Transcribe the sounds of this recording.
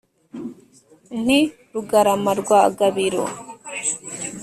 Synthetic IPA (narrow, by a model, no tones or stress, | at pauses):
ni | ɾuɡɐɾɐmɐɾuɡaːɐɡɐbiɾo̰